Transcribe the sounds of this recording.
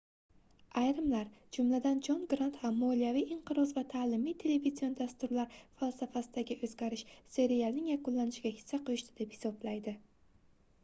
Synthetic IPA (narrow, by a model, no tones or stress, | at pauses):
ajɾɪmlaɾd͡ʒʊmlad̪and͡ʒɒnɡɾant̪hamːolijavijɪɴqʰɨɾɒzvat̪ʰaːlɪmijt̪ʰe̞le̞vizijo̞nd̪ast̪ʊɾlaɾfalˠsafasɪd̪aɡʲɪʔɵzɡʲaɾɪʃse̞ɾialˠnɪŋjaqʊnlanɪʃɪɡʲahɪ̥sːaqʰʊjʊʃt̪ʰɪd̪e̞phɪ̥sɒblajd̪ɪ